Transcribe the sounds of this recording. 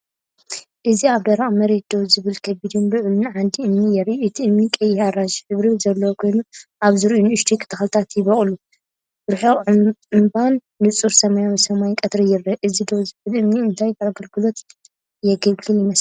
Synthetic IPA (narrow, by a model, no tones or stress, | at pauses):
ʔɨziaβd̪ɐɾaʔʼmɐɾe̞t̪̚d̪owzɨβɨlkʰɐbid̪unlɨʕlunʕand̪iʔɨmnijɛɾʔuʔɨt̪ʰiɨmnikʼɐjaɾad͡ʒħɨβɾizɐlːɐwokʰo̞jnuʔaβzɨɾiʔunɨʃt̪ʰikʰɨ̥t̪ʰɨxlt̪ʰat̪jɪβɐχʼlu | bɨɾħoɨmbanːɨt͡sʼuɾsɐmajawisɐmajkʼɐt̪ɾɐjɪɾɐʔɨzid̪owzɨβɨlʔɨmniɨnt̪ʰajaɡɐlɡɨlo̞t̪ | jɛɡɐlɡɨljɪmɐs